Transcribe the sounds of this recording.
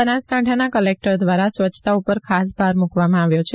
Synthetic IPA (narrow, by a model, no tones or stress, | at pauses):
ənaskãʈʰanakəlek̚ʈəɾd̪ʋaɾasʋət͡ʃːt̪aupəɾkʰasbʱaɾmukʋamãaʋjot͡ʃʰe